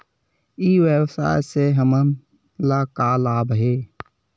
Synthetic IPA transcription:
iːwəwsa̰ːjseɦəmən | laːkaːlaːbɦeː

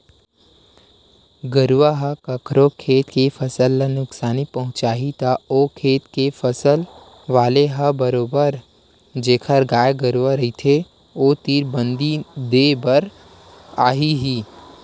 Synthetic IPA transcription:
ɡəɾʋaɦəkɐkʰɾokʰeːt̪kefɐsəlːənʊksaːnipɐɦʊ̃t͡ʃaːɦit̪aoːkʰeːt̪kefɐsəl | ʋaːleɦəbəɾoːbəɾ | d͡ʒeːkʰəɾɡaːjɡəɾwaɾɐɦit̪ʰe | oːt̪iːɾbə̃nd̪id̪ebəɾ | aːɦiɦiː

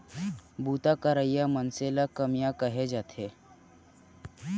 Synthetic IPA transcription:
buːt̪akəɾəijamənselakəmjakəɦed͡ʒaːt̪ʰe

